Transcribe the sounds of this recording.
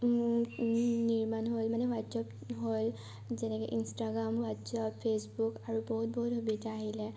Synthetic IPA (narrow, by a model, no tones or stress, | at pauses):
niɹmanɦolmanɛwadsɔp | ɦol | zɛnɛkeʔinstaɡɹamwatsɔppʰesbukaɹuboɦut̚boɦutɦubitaːɦilɛ